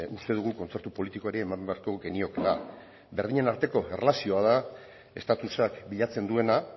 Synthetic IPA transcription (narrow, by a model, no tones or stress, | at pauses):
ust̪e̞ð̞uɣ̞uko̞nt͡se̞ɾt̪upo̞lit̪iko̞e̞ɾeːmambeaɾko̞ɡe̞nio̞kena | be̞ɾð̞iɲe̞naɾt̪e̞ko̞e̞relasio̞að̞a | e̞st̪at̪usakbiʎat͡se̞nd̪ue̞na